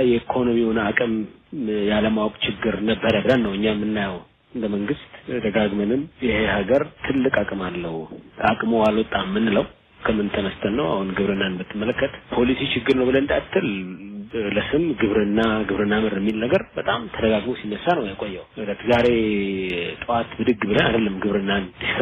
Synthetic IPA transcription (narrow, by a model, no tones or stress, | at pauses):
jɛikʰo̞no̞mihonəakʼɨmjaləmawɔkʼt͡ʃɪɡːɨɾnəbːəɾəbɨɾənːəwɨɲːamːɨnːajəw | ɨnd̪əməŋɡɨst̪d̪əɡaɡmənɨmjɪhehaɡəɾt̪ʰɨlːɨkʼakʼɨmalːəhuakʼmowaləwt̪ʼamːɨnːɨləw | kʰəmːɨnt̪ʰəməst̪ʰənːəwa̰hunɡɨβɾɨnːanbɨt̪ʰːɨmːələkːət̪pʰo̞lisit͡ʃɪɡːɨɾnəwbɨləɨnd̪at̪ʰːɨl | ləsɨmɡɨβɾɨnːaɡɨβɾɨnːamɨɾmːilnəɡəɾbət̪ʼamt̪ʰəd̪əɡaɡmosinːəsːanəwjakʼojːawʔɨlət̪zaɾe̞ | t̪ʼɨwat̪bɨd̪ɨɡbɨləna̰d̪əlːəmɡɨβɾɨnːanis